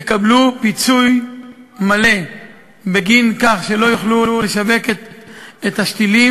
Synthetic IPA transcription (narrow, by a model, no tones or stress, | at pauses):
jekablupit͡suj | male̞ | beɡinkaχʃe̞lo̞juχlululeʃave̞keet̪haʃt̪ili